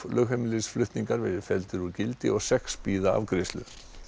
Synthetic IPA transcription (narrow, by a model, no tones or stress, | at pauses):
lʔœxɛmliðsflʏht̪niŋkaɾvɛɾɪðfɛlt̪ɪɾuɾcɪlt̪ɪ̰ɔɣsɛkspiːðaa̰vkɾɪst̪lʏ̰